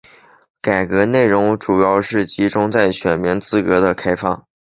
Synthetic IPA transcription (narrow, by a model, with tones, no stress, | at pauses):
ka˨˩ɪkɤ˧˥ne˥˩ɪɻʊ˧˥ŋʈ͡ʂu˨˩jɑ˥˧ʊʂɻ̩˥˩t͡ɕi˧˥ʈ͡ʂʊ˥ŋt͡sa˥˩ɪɕɥɛ˨˩nmi˧˥nt͡sɹ̩˥kɤ˧˥d̪ə˧kʰa˥ɪfɑ̰˥˩ŋ